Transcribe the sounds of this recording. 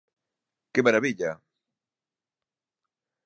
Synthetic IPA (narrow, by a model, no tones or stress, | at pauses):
kɪmaɾaβiʎa